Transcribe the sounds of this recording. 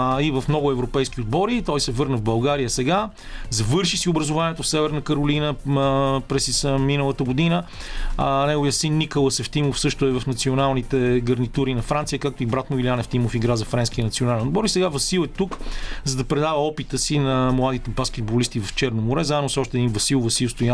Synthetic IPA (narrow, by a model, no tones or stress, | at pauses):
ivɐfmnɔɡʊɛvɾopɛjskiod̪̚bɔɾit̪ɔisɛvɤɾnəvbɐlˠɡaɾijəsɛɡa | zɐvɤɾʃisiʊbɾəzʊvaniɛt̪ofsɛvɛɾnəkəɾoʊlinə | pɾɛsisəminəlˠət̪əɡod̪inə | nɛɡovijəsinːikəlˠəsɛft̪imofsɤʃt̪ʊɛvɐfnɐt̪sionalˠnit̪ɛɡɐɾnit̪uɾinɐfɾant̪sijəkak̚t̪oibɾat̪mʊvilʲianɛft̪imofiɡɾazɐfɾɛnskiənɐt̪sionalɛnod̪bɔɾisɛɡavɐsilˠɛt̪ukzɐd̪ɐpɾɛd̪avəɔpit̪əsinɐmlˠad̪it̪ɛbaskʲɛt̪̚bolist̪ivɐft͡ʃɛɾnomoɾɛzaɛnosɔʃt̪ɛd̪invɐsilˠvɐsilˠst̪ʊja